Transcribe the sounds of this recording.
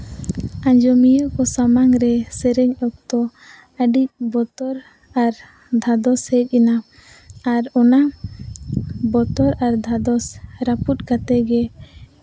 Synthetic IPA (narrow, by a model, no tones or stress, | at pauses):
aɲd͡ʒɔmijəkɔsamaŋɾɛsɛɾɛɲɔk̚t̪ɔ | əɖic̚bɔt̪ɔɾ | aɾ | d̪ʱad̪ɔshɛc̚ˀɛna | aɾɔna | bɔt̪ɔɾaɾd̪ʱad̪ɔsɾaput̪̚kat̪ɛɡɛ